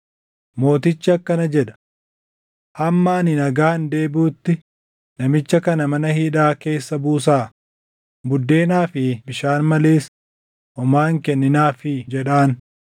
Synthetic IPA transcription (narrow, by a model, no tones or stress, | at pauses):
mo̞ːt̪ɪt͡ʃːɪɐkːɐnɐd͡ʒɛᶑɐ̥ | hɐmːaːnɪnɐɡaːnd̪e̞ːbuːt̪ːɪ | nɐmɪt͡ʃːɐkɐnɐmɐnɐhiːᶑaːke̞ːsːɐbuːs̬aː | bʊd̪ːe̞ːnaːfɪbɪʃaːnmɐleːs | ʔɔmaːŋkɛnːɪnaːfɪd͡ʒɛᶑaːn